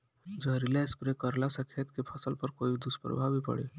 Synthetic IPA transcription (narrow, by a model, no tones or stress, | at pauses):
d͡ʒəɦɾilɛspɾekəɾlasəkʰet̪kepʰəsəlpəɾkoːid̪ʊspəɾə̰bʱabʱipə̰ɽḛ